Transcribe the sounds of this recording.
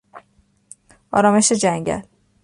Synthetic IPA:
ʔɒ̰ːɾɒːme̞ʃed͡ʒæɲɟæ̰l

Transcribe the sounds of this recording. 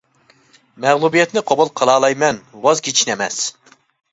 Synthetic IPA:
mɛʁlˠubijɛt̪nɪqʰobulˠqʰəlˠɑːlˠɑjmɛnwɑzɡʲit͡ʃʰinɛmɛ̰s

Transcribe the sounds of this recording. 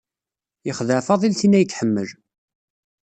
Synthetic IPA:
jəχðəʕfɑðˤilθinːæjət͡sːħəmːəl

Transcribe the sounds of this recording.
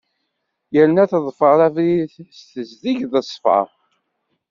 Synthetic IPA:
jælənæθəðˤfəɾˤævɾiθst̪əzðiʝðəsˤːfʕə̰

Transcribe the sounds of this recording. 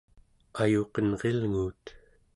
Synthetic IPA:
ajoqənʁelŋuːt̪

